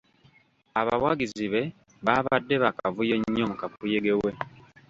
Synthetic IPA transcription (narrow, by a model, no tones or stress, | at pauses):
aβawaɡiziβe̞ | βaːβadːe̞βakavujoɲːomukafujeɡewe̞